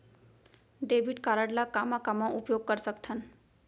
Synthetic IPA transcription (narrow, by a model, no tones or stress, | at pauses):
ɖebʱiʈkaɾəɽlakamakamãʔupjoɡ̚kəɾsəkt̪ʰən